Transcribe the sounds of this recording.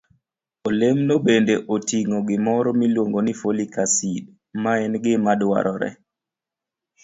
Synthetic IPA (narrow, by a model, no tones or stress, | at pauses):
olemnobendeʔotiŋɔɡɪmɔɾɔmilwoŋɡonifolikasid | maɛnɡɪmadwa̰ɾɔɾɛ̰